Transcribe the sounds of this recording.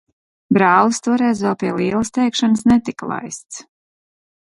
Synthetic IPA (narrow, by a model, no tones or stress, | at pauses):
bɾaːlˠɨst̪uɔɾɛjzvɛlˠpiɛlˠiːɛlˠɨst̪ɛjkʃanəsnɛt̪iklˠa̰jst̪s